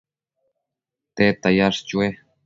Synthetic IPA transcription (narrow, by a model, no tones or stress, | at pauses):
t̪et̪ajaʂt͡ʃue